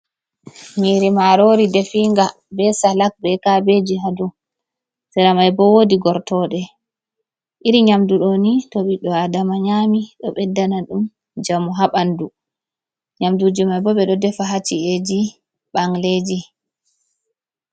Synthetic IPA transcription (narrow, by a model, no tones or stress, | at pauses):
miɾimaɾoɾidefiŋɡa | bɛsalak̚bɛkabed͡ʒiɦadu | sɛɾamajbɔwodiɡɔɾtɔɗɛ | ʔiɾiɲamduɗɔnitoɓiɗɔadamaɲaːmiɗɔɓɛdːanaɗum | d͡ʒamuɦaɓandu | ɲamdud͡ʒimajbɔɓɛɗɔdɛfaɦat͡ʃied͡ʒi | ɓaŋled͡ʒi